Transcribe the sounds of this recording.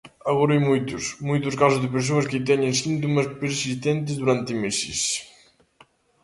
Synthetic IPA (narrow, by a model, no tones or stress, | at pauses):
aɣɔɾajmujt̪usmujt̪uskasuzðepeɾs̬uɐsket̪̬ɛɲensint̪̬umɐspeɾsist̪ɛnt̪ezd̪uɾant̪emesḭs